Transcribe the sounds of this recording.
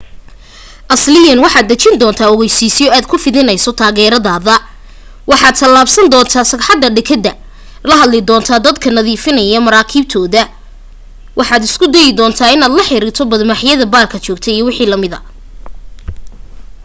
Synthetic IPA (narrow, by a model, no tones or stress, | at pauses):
ʔɐslɪjɐnwɑħɑːd̪̚ːɐt͡ʃɪnd̪ɔːnt̪ʰaːɔɣɛjsiːsɪjɔaːd̪̚kʰʊfɪðɪnɐjsɔt̪ʰaːɣɛːɾɐðaːðɐ | wɑħɑːd̪̚t̪ʰɐlaːbsɐnd̪ɔːnt̪ʰaːsɐħɑd̪ːɐɖɛkʰɐd̪ːɐ | lɐɦɐd̪lɪd̪ɔːnt̪ʰaːd̪ɐd̪kʰɐnɐðiːfɪnɐjɐmɐɾaːkʰiːb̚t̪ʰɔːðɐ | wɑħɑːd̪ɪskʰʊd̪ɛjɪd̪ɔːnt̪ʰaːɪnaːd̪lɐħɪɾɪːrt̪ʰɔbɐd̪maħjɐðɐbaːlkʰɐt͡ʃɔːɡ̚t̪ʰɛijɔwɪħiːlɐmɪðɐ̰